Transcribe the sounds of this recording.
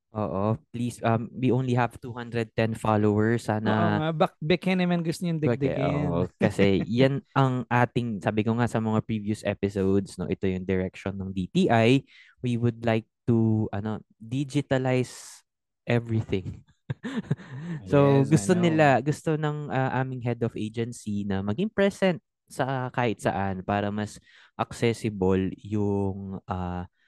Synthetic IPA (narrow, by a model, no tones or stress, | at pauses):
ʔo̰ːʔopliːsɐmwiʔõwnliɦɐv̥t̪uːhand̪ɾɛd̪̚t̪ɛnfalowɐɹsːaːnɐbɐkbɛkɛnɪmɐnɡʊst̪oɲjʊ̃ŋd̪ɛd̪ɛʔo̰ʔokɐsɛjanʔɐŋʔaːt̪ɪŋsaːbɪkoŋasɐmɐŋapɹiːvjʊsʔɛ̰pɪsowd̪sno̰ʔɪt̪o̞jʊŋd̪ɛɹɛkʃɔnːɐŋd̪iːt̪iːʔaj | wiwʊd̪̚lajk̚t̪uʔɐno̞ | d̪id͡ʒɪt̪ɐlajs | ʔɛvɹɪθɪ̃ŋ | soɡʊst̪onɪlaɡʊst̪o̞nɐŋʔɐʔaːmɪŋɦɛd̪ɔfʔejd͡ʒɛnsinɐmɐɡɪŋpɹɛsɛnt̪̚ | sɐkaːʔɪt̪̚sɐ̰ʔanpaːɾɐmɐs | ʔɐksɛsɪboljʊŋʔa